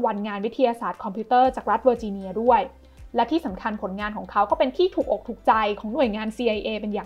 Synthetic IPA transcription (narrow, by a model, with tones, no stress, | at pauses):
wa˧nŋaː˧nwi˦˥t̪ʰːi˧jaː˧saː˨˩t̪̚kʰɔ˧mpʰiː˦˥t̪ɤː˥˩t͡ɕaː˨˩k̚ɾa˦˥t̪̚bɤː˧t͡ɕi˧ni˧ɐdu˥˩əj | lɛ˦˥t̪ʰiː˥˩sa˩˦mkʰa˧npʰo˩˦nŋaː˧nkɔː˩˦ŋkʰa˦˥wkɔː˥˩pe˧nt̪ʰiː˥˩t̪ʰuː˨˩k̚ʔoː˨˩k̚t̪ʰuː˨˩k̚t͡ɕa˧jkʰɔː˩˦ŋnu˨˩əjŋaː˧nsiː˧ʔa˧jʔeː˧pe˧njaː˨˩